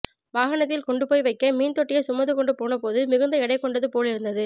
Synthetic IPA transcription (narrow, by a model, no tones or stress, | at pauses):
ʋaːɣɐnɐt̪ːɪlkɔɳɖɯpoːjʋɐɪkːɐmiːnt̪ɔʈːɪjɐsʊmɐnðɯkɔɳɖɯpoːnɐpoːðɯmɪɣɯnd̪ɐɪɽɐɪkːɔɳɖɐðɯpoːlɪɾɯnd̪ɐðɯ